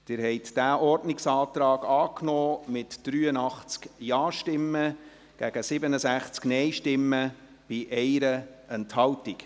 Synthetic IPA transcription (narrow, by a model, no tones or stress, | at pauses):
d̥ɪːɾɦɛɪtd̥æːʔɔrdnɪksɑːt̪ɾɑːɡɑːknɔːmɪtd̥ɾyːənɑχt͡skjɑːʃtɪmːə | ɡ̥æɡ̥əsɪbənəsæχt͡sknɛɪʃtɪmːə | b̥iʔɛɪɾəɛnthɑltɪk